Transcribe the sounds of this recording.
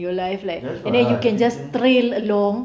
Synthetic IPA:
jɔlajflaɪkɛ̃ndɛ̃njukɛ̃nd͡ʒast̪ɾeləlɔ̃ŋ

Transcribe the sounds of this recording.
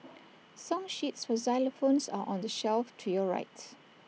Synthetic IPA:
sɔ̃mʃitsfɔzaɪləfõnsa̰ʔɔ̃ndəʃɛlftʰujɔɹa̰ɪt

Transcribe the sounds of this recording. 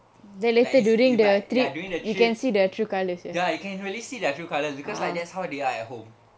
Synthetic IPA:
dɛt̚let̪ədjuɹĩŋdət̪ɹiduĩŋdəjukɛ̃nsidətʰɹukaləsjajajukɛ̃nɹiəlisidətɹukaləsbikɔsladɛtshawdeaɛt̚hõm

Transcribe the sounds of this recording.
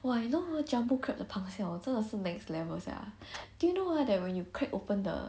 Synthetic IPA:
oanoəd͡ʒãmbokʰɹɛp̚dəpʰãŋsɛ̃ɔ̃nsodasənɛ̃kslɛvəsa̰d̥ujunowadɛt̚wɛ̃njukʰɹakʔopə̃ndə̰

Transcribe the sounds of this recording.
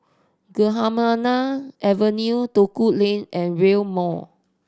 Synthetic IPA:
ɡəɦamanaʔɛvənjutokuʔlẽnɛ̃nɹelmɔ

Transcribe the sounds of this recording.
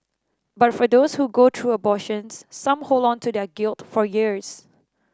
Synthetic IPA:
batfɔdoshuɡot̪ʰɹuːəbɔʃə̃nsːãmholˠdɔ̃ntʰudɛɡɪlˠtfɔjiɹs

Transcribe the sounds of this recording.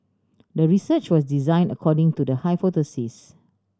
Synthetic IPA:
dəɹisət͡ʃwɔsdizãɪ̃nəkʰɔdɪ̃ŋtudəhajfotəsis

